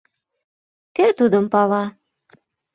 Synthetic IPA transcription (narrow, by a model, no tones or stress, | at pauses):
kæt̪ud̪əmpɑlɑ